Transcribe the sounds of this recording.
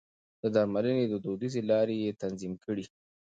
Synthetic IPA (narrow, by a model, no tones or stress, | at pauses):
d̪̥əd̪ɑɾmaləned̪əd̪od̪izelɑɾejet̪anzimkəɽi